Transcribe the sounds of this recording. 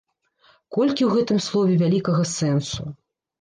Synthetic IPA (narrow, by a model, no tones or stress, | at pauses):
kɔlʲkʲiwɣɛt̪ɨmslˠɔvʲɛvʲalʲikɐɣɐsɛnsu